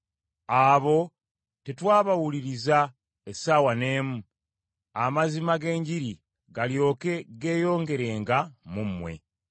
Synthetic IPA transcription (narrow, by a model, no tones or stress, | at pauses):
aβo̞ | tetwaːβawuliɾiza | esaːwane̞ːmu | amazimaɡe̞ːɲɟiɾi | ɡaljo̞ːke̞ɡe̞ːjo̞ːŋɡe̞ɾe̞ːŋɡamumːwe̞̰